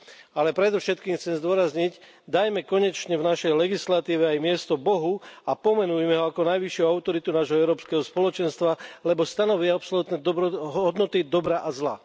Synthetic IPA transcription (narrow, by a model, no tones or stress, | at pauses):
alɛpɾɛd̪ɔfʃɛt̪kiːmxt͡sɛmzd̪ʊɔɾazɲic | d̪ajmɛkɔɲɛt͡ʃɲɛvnaʃɛjlɛɡislat̪iːʋɛajmɪɛst̪ɔbɔɦuapɔmɛnujmɛɦɔakɔnajʋiʃɪuaʊt̪ɔɾit̪unaːʒɦɔɛʊɾɔːpskɛɦɔspɔlɔt͡ʃɛnst̪ʋalɛbɔst̪anɔʋiɛapsɔlut̪nɛɦɔd̪nɔt̪id̪ɔbɾaʔazla̰